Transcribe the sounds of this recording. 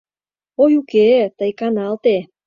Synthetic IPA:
ojuket̪əjkɑnɑlt̪e

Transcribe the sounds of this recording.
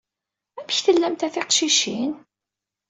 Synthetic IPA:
æmçθəlːæmt̪æθiqʃiʃin

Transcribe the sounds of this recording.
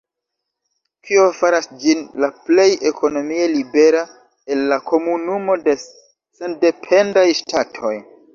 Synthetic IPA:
kʰio̞faɾasd͡ʒinlaple̞je̞kʰo̞no̞mielibe̞ɾa | e̞lːakʰo̞munumo̞de̞ | sende̞pʰe̞ndajʃtʰatʰo̞j

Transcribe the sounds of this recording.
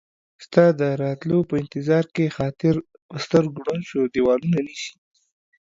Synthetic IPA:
st̪ɑd̪əɾɑt̪lopəɪnt̪ɪzɑɾkexɑt̪ɪɾ | pəst̪əɾɡɽanʃod̪iwɑlunaniʃi̥

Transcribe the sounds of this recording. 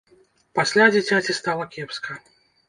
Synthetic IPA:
pasʲlʲad͡zʲit͡sʲat͡sʲist̪alˠɐkʲɛpskɐ

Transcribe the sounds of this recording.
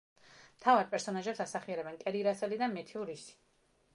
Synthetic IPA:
mt̪ʰavaɾpʼɛɾsɔnaʒɛpsasaχiɛɾɛbɛnkʼɛɾiɾasɛlid̪amɛt̪ʰiuɾisi̥

